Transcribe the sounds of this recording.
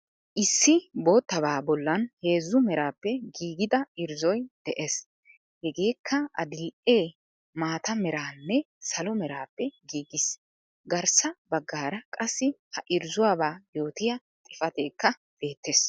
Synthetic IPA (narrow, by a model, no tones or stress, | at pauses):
ʔɪsːɪbo̞ːt̪ːɐbaːbɔlːɐnhe̞ːzːʊmɛɾaːpːɛɡiːɡɪd̪ɐɪɾzɔjd̪̥ɛʔes | hɛɡe̞ːkʰːɐɐ̰d̪ɪlʔeː | maːt̪ɐmɛɾaːnːɛ | sɐlɔmɛɾaːpːɛɡiːɡɪs | ɡɐɾsɐbɐɡːaːɾɐkʼɐsːɪhɐʔɪɾzʊwaːbaːjo̞ːt̪ɪjɐ | t̪ʼɪfɐt̪e̞ːkːɐ | b̥e̞ːt̪ːes